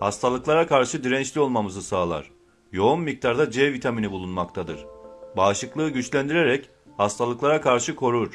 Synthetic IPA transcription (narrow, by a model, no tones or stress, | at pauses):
hast̪ʰalˠɯklˠaɾakʰaɾʃɯd̪iɾɛnt͡ʃlʲio̞lˠmamɯzɯsaːlˠa̰ɾ̥ | jo̞unmic̚t̪ʰaɾd̪ad͡ʒɛvit̪ʰaminibulˠunmakt̪ʰad̪ɯ̰ɾ̥baːʃɯklˠɯːɟyt͡ʃlʲænd̪iɾeɾɛc | hast̪ʰalˠɯklˠaɾakʰaɾʃɯkʰo̞ɾuɾ̥